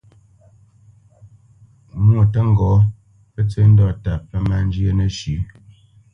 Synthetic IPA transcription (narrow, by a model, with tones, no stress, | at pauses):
mwo˨tə˦ŋ̩˦ɡɔ˨˦ | pə˦t͡sə˦n̩˦dɔ˦˨ta˨pə˦ma˦˨n˦d͡ʒjə˦nə˨ʃʉ˨˦